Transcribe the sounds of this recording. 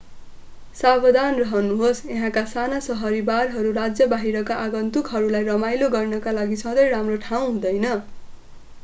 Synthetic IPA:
sabʌd̪ʱanrʌɦʌnuɦosʌɦãkasanasʌɦʌɾibarɦʌɾuɾad͡zjʌbaɦiɾʌkaʔaɡʌnt̪ukɦʌɾulajrʌmajloɡʌrnʌkalaɡisʌ̃d̪ʌjɾamroʈʰaw̃ɦũd̪ʌjnʌ

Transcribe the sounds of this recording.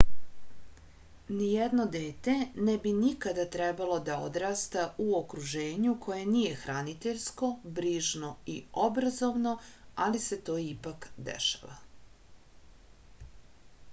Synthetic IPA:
nijed̪no̞d̪eːt̪e̞nebinikad̪at̪ɾɛbalo̞d̪aod̪ɾaːst̪aʔuokɾuʒe̞ːɲukʰo̞je̞nije̞xɾanit̪eʎsko̞bɾiːʒno̞io̞bɾazo̞ʋno̞alise̞t̪o̞ːipakd̪ḛʃḁ̰ʋa

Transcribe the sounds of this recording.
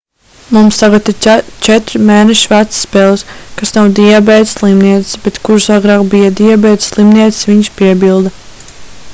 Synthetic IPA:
mumst̪aɡat̪iɾt͡ʃɛt̪ɾmɛːnɛʃivæt̪ssːpɛːlˠskasnawd̪iɛbɛjt̪slˠimniɛt̪sbet̪kuɾsaɡɾɑːkbijad̪iɛbɛːt̪slˠimniɛt̪sʋiɲʃpiɛbilˠd̪a

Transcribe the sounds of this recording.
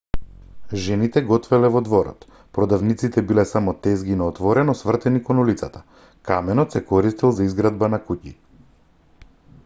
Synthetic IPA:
ʒɛnit̪ɛɡɔt̪vɛlɛvɔd̪vɔɾɔ̰t̪ | pɾɔd̪avnit̪sit̪ɛbilɛsamɔt̪ɛzɡinaɔt̪vɔɾɛnɔsvr̩t̪ɛnikɔnulit̪sat̪ḁ | kamɛnɔt̪sɛkɔɾist̪ilˠzaizɡɾad̪banakucḭ

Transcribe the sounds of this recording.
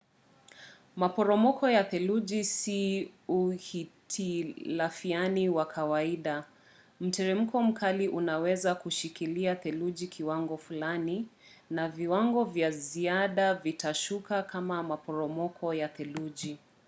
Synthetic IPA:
mapɔɾɔmɔkʰɔjaθɛlud͡ʒisiuhitʰilafianiwakʰawaiɗa | m̩tɛɾɛm̩kʰɔm̩kʰaliʔunawɛzakuʃikiliaθɛlud͡ʒikʰiwaŋɡɔfulaninaviwaŋɡɔvjaziaɗavitaʃukakʰamamapɔɾɔmɔkʰɔjaθɛluʄi

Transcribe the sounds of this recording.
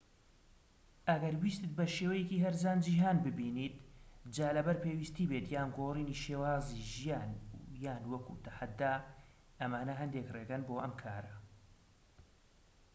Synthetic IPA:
ʔɐɡɐɾwiːst̪ɨt̪̚bɐʃeːwɐjekiːɦɐɾzaːnd͡ʒiːɦaːnbɨbiːniːt̪̚d͡ʒaːlɐbɐɾpeːwist̪iːbeːt̪jaːnɡoːriːniːʃeːwaːziʒijaːnjaːnwɐkṵt̪ɐħad̪ːaː | ʔɐmaːnɐɦɐnd̪ekreːɡɐnboːʔɐmkʰaːɾɐ

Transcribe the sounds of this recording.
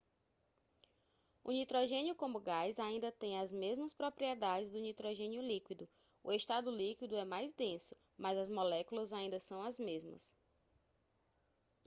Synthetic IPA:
ʊ̰nit̪ɾoʒẽnjʊkõmʊɡajzaĩnd̪ɐt̪ẽj̃ɐzmezmɐspɾopɾiɛd̪ad͡ʒɪzd̪ʊnit̪ɾoʒẽnjʊlikwid̪ʊ | ʊest̪ad̪ʊlikwid̪ʊɛmajzd̪ẽsʊ̥ | mɐzɐzmolɛkulɐzaĩd̪ɐsɐ̃w̃ɐzmezmɐ̰s

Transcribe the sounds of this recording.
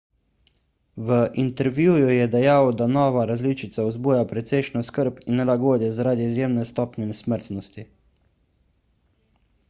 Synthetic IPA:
ʋəʔint̪ɛɾʋjuːjujɛd̪ɛjawd̪anɔːʋaɾazliːt͡ʃit̪saɔzbuːjapɾɛt̪sɛjʃnɔskəɾpinːɛlaɡoːd̪jɛzaɾaːd̪iizjeːmnɛst̪ɔːpnɛnɛsməɾt̪nɔst̪i

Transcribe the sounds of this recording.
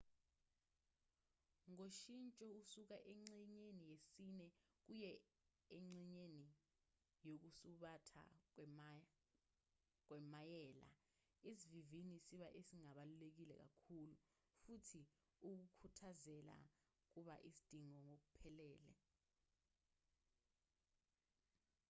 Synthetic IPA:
ŋoʃint͡ʃʼɔusuk̬aʔeŋ͡ǀiɲenijesinɛ | k̬ujɛ | eŋ͡ǀiɲeni | jok̬usuɓatʰa̰ | k̬wɛmajɛːla̰ | esivivinisiɓaʔesiŋaɓalulek̬ilɛ̰k̬a̰kʰulu | futʰi | uk̬ukʰutʰazɛla̰ | k̬uɓaʔisi̥d̥ʱiŋɔŋok̬upʰɛlɛːlɛ̰

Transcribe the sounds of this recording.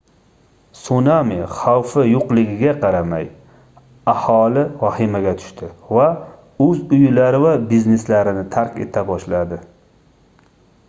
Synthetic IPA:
sunamiχawfɪjoqlˠɪɡʲɪɡʲaqʰɑɾama̰j | ahɒlɪvahɪmaɡʲat̪ʰʊ̥ʃt̪ʰɪva | ɵzʊjlaɾɪvabizne̞slaɾɪnɪt̪ʰaɾkʲe̞̰t̪ʰabɒʃlad̪ɪ

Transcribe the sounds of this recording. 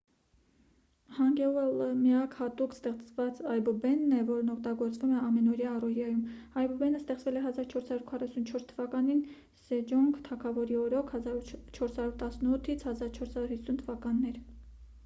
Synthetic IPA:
hɑŋɡɛlɛləmiɑkhɑt̪ukst̪ɛχt͡svɑt͡sɑjbubɛnːɛvɔɾnɔkʰt̪ɑɡɔɾt͡svumɛɑmɛnɔɾjɑːrɔjjɑjumɑjbubɛnəst̪ɛχt͡svɛlɛɦɑzɑɾt͡ʃʰɔɾshɑɾuɾkʰɑrɑsunt͡ʃʰɔɾst̪ʰəvɑkɑnin | sɛd͡ʒɔŋkʰt̪ʰɑkʰɑvɔɾiɔɾɔkʰhɑt͡ʃʰɔɾshɑɾuɾt̪ɑsnut̪ʰːit͡sʰhɑzɑɾt͡ʃʰɔɾshɑɾuɾhisːunt̪ʰəvɑkɑnːɛɾ

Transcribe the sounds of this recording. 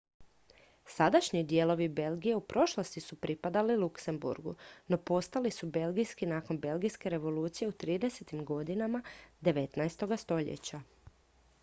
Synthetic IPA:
sad̪aʃɲid̪je̞ːlˠo̞ʋibe̞lˠɡije̞upɾʔo̞ʃlˠost̪isupɾipad̪alilukse̞mbṵɾɡṵno̞po̞st̪alisube̞lˠɡijskinaːko̞nbe̞lɡijske̞ɾe̞ʋo̞luːt̪sije̞ut̪ɾiːd̪e̞set̪imɡo̞d̪inamad̪e̞ʋe̞t̪naest̪o̞ɡast̪o̞ʎḛt͡ɕa

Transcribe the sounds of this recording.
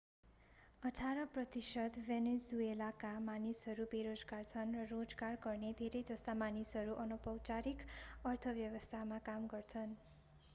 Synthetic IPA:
ʌʈʰaɾʌprʌt̪isʌd̪benesuelakamanisɦʌɾubeɾod͡zɡart͡sʰʌnrʌrod͡zɡarɡʌrned̪ʱeɾejd͡zʌst̪amanisɦʌɾuʔʌnupʌwt͡saɾikʌrt̪ʰʌbjʌwʌst̪ʰamakamɡʌrt͡sʰʌn

